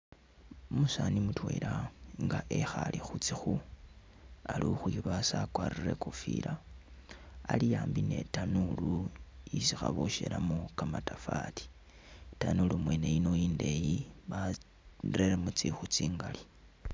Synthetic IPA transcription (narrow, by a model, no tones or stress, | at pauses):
omusanimutwe̞ɾaŋɡaʔexalixut͡sixu | aluxujoβasakwarire̞kufḭɾa | alijaːmbine̞tanuluisixaβoʃelamukamatafatʰi̥ | tanulumwe̞ne̞jino̞jiːnde̞jiβa | reɾemut͡sixut͡siːŋɡali